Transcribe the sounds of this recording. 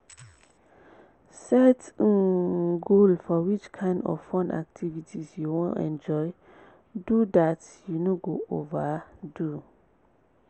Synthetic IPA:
sɛt | ɡolfɔwit͡ʃkʰãɪ̃ndɔ̰v̥fɔ̃na̰k̚tʰivitʰisjuwɔ̃nɛ̰̃nd͡ʒɔɪ | dudatjunoɡoʔovadu

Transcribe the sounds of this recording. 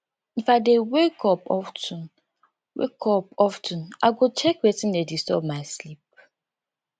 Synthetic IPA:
ĩn̩fak̚dewekɔpɔ̰ftũn | wḛkʰɔpɔftʰũnaɡot͡ʃɛkwetĩndedistɔ̰b̚maɪslip̚

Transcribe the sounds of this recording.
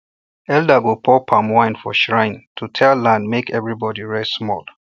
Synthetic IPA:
ɛldaɡopʰɔpʰãmwãɪ̃nfɔ̰ʃɹãɪ̃ntʰutʰɛlːãndmekɛvɹibɔdiɹɛsmɔl

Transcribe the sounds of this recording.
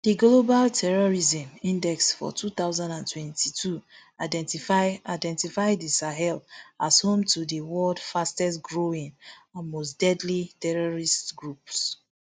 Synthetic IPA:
d̥iɡlobaltʰɛɹɔɹizĩmĩndɛksfɔ̰tʰuθaʊzãndãntʰwɛ̃ntʰitʰuadɛtiadɛ̃ntifaɪdisaɦɛlashõmtʰudiwɔldfastɛsɡɹoĩŋɔmosd̥ɛdlitɛɹɔɹistɡɹups

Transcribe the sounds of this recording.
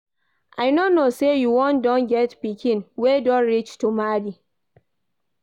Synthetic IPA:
ʔajnonosejuwɔ̃ndɔ̃nɡɛtpikʰĩnwedɔ̃nɹit͡ʃtumadi

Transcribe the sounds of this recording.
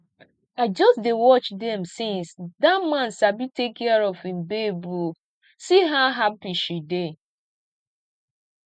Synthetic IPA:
ad͡ʒɔsdewɔt͡ʃdɛmsĩnsdamãn̩sabitekɛɾɔvĩm̩bebu | siɦaɦapiʃide

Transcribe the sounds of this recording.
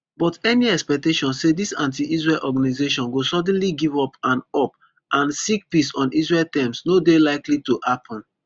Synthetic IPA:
bɔtɛniɛkspɛk̚teʃɔ̃nsedisã̰nt̬iʔis̬ɹelʔɔɡanizeʃɔ̃nɡosɔd̃n̩liɡivɔpãnɔp | ʔãnsik̚pisɔ̃nisɹɛltɛ̃msnodelaɪklituhapʰɔ̃n

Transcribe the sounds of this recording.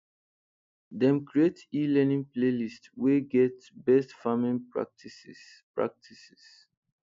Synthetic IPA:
dɛ̃mkɹietilɛnĩŋplelistweɡɛt | bɛstfamĩnpɹa̰tis | pɹa̰k̚tʰisi̥s

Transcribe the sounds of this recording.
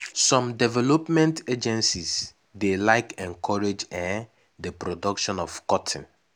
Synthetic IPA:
sɔ̃mdɛvɛlopmɛ̃nted͡ʒɛ̃nsis | delaɪkɛ̃nkʰɔɹed͡ʒɛ̃n | dəpɾodɔkʃɔ̃nɔfkɔtʰĩn

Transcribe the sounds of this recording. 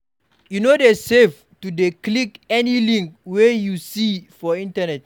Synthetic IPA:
junodesef | tudeklikɛnilĩŋkwejusifɔĩntanɛt̚

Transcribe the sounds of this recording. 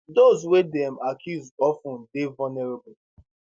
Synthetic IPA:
dozwedɛ̃makʰjuzɔfũndevanɛɹebʊ

